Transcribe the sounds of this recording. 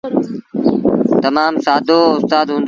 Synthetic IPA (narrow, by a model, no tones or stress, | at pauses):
t̪əmaːmsaːd̪ʱoːʊst̪aːd̪ɦũːn̆d̪